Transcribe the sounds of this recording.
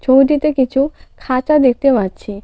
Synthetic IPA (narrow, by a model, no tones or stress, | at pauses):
t͡ɕʰowʈit̪ekit͡ɕʰukʰat͡ʃad̪ek̚ʰt̪ebatt͡ɕʰi